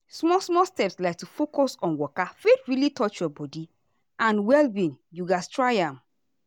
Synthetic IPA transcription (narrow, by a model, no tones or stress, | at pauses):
smɔsmɔstɛpslaɪk̚tufokɔsɔ̃nwɔkafetɹilitɔt͡ʃjɔbɔdi | ʔãnwɛlbĩnjuɡastɹaɪãm